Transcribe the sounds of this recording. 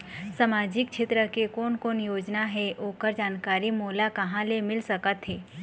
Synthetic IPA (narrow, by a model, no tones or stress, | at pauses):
samaːd͡ʒɪkʃʰeːt̪ɾəkekoːnkoːnjoːd͡ʒnaɦɛʔoːkəɾd͡ʒaːnkaːɾimoːlakɐɦãlemɪlsɐkət̪ɦɛː